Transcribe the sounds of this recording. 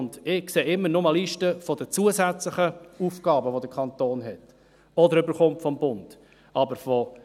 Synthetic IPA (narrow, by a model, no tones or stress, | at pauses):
ndɪkseːɪmːənʊməliʃtəfɔd̥ət͡suəsæt͡sləχəuːfɡ̥ɑːbəʋod̪əkʰɑnt̪oːnɦɛt | ɔdəɾʏbəɾχʊmtfɔmbʊnd̥ | ɑbəɾfɔ